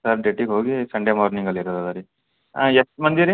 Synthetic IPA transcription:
saɾɖeʈːikɦoːɡisɐɳɖjemaːɾniŋɡɐliɾɐd̪ɐd̪aɾi | aeʈmɐnd̪iɾi

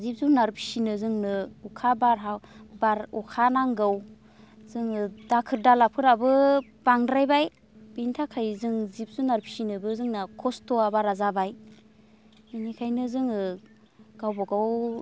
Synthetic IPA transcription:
zip̚zunaɾpʰi̥sinɯzɯŋnɯukʰabaɾɦabaɾukʰanaŋɡɯw | z̥ɯŋɯdakʰɯɾdalapʰɯɾabɯb̥aŋdɾajbaj | bintʰakʰajzɯŋzip̚zunaɾpʰi̥sinɯbɯzɯŋnakʰɔstɔabaɾazabaj | ɯnikʰajnɯzɯŋɯ | ɡ̥awbɔɡaw

